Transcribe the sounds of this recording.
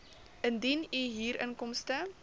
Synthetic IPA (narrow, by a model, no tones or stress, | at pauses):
ʔəndiniɦiːɾʔə̰nkɔmstə